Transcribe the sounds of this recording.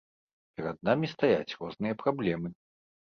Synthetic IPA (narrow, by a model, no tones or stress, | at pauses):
pʲɛɾɐd̪̚namʲist̪aja̰t͡sʲrɔznɨjɐpɾablʲɛmɨ